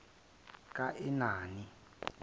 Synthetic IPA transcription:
kʼaʔinaːni

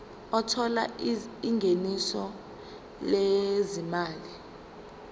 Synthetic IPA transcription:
ɔtʰɔla̰iŋɡʱenisɔ | lezimaːli

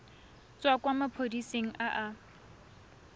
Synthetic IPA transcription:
t͡sʼwakwamapʰodiseŋ̩ʔaʔa

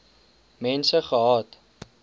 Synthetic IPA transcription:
mɛnsəχəɦɑːt

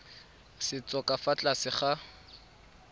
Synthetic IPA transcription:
sɪt͡sʼɔkʼafat͡ɬʼasɪχa

